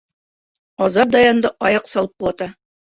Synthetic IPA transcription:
ɒzɑɾ̚d̪ɑjɑnd̪ɤʔɒjɑqsɑlˠɤp̚qulˠɑt̪ɑ

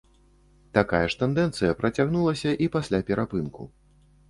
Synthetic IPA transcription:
t̪akajɐʂt̪ɛnd̪ɛnt̪sɨjɐpɾɐt͡sʲaɣnulˠɐsʲɐʔipasʲlʲapʲɛɾʔapɨnkṵ

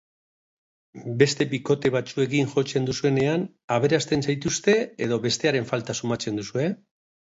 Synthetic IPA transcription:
be̞st̪e̞biko̞t̪e̞β̞at͡sue̞ɣinʝo̞t͡se̞nd̪usue̞ne̞an | aβe̞ɾast̪e̞nsajt̪ust̪e̞eð̞o̞βe̞st̪e̞aɾe̞ɱfalt̪asumat͡se̞nd̪usue̞

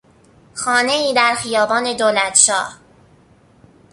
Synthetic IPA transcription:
xɒːne̞iːd̪æɾxijɒːbɒːne̞d̪oːlæt̪ʃɒːh

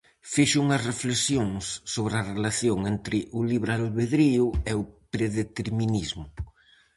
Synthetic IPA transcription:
fiʃʊuŋɐsreflesjoŋsːoβɾɐrelaθjoŋent̪ɾɪʔʊliβɾalβeðɾiʊeʊpɾeðet̪eɾminizmʊ

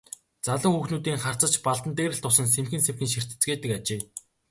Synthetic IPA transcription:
t͡saɮə̆ŋxuxnuːt̪iːŋχar̥t͡sə̆t͡ɕpaɮt̪ə̆nt̪eːɾɘ̆ɬt̪ʰʊsə̆ns̬emxɘ̆nsemxɘ̆nʃir̥t̪ɘ̥̆t͡sɡeːt̪ɘ̆kat͡ɕeː

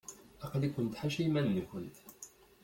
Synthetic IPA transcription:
ɑqlikʊnt̪ħaʃimænːəkəlt̪

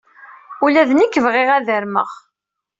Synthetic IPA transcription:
ulæðənikːəvʁeʁæðəɾmə̰ʁ

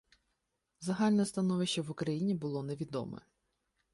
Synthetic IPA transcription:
zɐɦɑlʲnɛst̪ɐnɔʋɪʃt͡ʃɐʋʊkɾɐjinʲibʊlˠɔneʋʲid̪ɔ̰mɛ̰

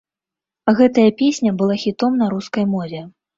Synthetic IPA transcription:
ɣɛt̪ɐjɐpʲesʲnʲɐbɨlˠaxʲit̪ɔmnɐɾuskɐjmɔvʲɛ

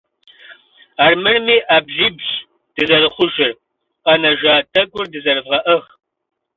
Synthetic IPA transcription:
aːrmɨrmiːʔaːbɮiːbɕ | d̥ɨzɐrɨχʷʊʒɪr | qɐnɐʒaːtʰɐɡʷʼʊrdɨzɐrɨvʁɐʔəχ

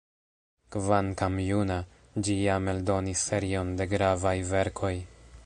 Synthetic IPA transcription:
kvaŋkamjuna | d͡ʒijame̞ldo̞nisːe̞ɾio̞nde̞ɡɾavajve̞ɾkʰo̞j

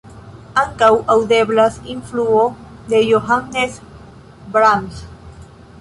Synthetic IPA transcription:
aŋkawawd̪eblasinfluod̪ejoɦanːes | bɾans

